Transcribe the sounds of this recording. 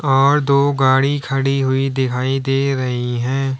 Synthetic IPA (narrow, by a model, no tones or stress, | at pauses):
ɔːɾd̪oːɡaːɽikʰɐɽiɦʊid̪ɪkʰaːid̪eːɾɐɦiɦɛ̃ː